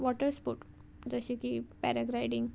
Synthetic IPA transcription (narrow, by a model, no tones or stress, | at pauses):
ʋɔʈəɾspuːʈ | d͡zəɕikipɛɾəɡɾajɖiŋɡ